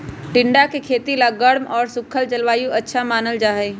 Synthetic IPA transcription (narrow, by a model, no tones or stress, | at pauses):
ʈɪ̃ɳɖakekʰeːt̪ilaɡəɽmɔːɾsʊkʰəld͡ʒɐlʋaːjũʔɐtːʃʰamaːnəld͡ʒaːɦe